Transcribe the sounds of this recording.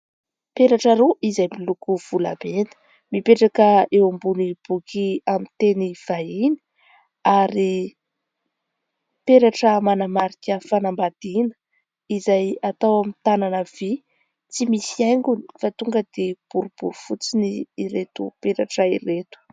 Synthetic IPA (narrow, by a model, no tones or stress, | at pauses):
peɾaʈ͡ʂəɾoʔizajmilukuv̥ula̰benə̥ | mipeʈ͡ʂakəewambunib̥ukʰiamit̪eniv̥aini̥ | aɾi | peɾaʈ͡ʂəmanamaɾikʲəfanambad̪̥inə̥ | izajat̪awamit̪ananəv̥i | t͡simisiajŋɡuni̥fat̪uŋɡəd̪̥eb̥uɾub̥uɾufut͡siniːɾet̪upeɾaʈ͡ʂəiɾet̪u̥